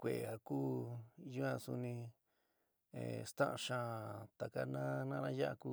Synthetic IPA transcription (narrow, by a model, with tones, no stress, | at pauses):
kʷe˨a˨kuː˦ju˦ã˧su˧nĩ˧ | ḛ˨st̪ã˦ʔã˧ʃã˧t̪a˨ka˧nã˦nã˦nã˦ja˦ʔa˧ku˦˧